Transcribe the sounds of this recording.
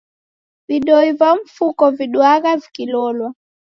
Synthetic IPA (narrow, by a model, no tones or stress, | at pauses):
viɗɔivaɱ̩fukɔviɗwaɣavikilɔlwa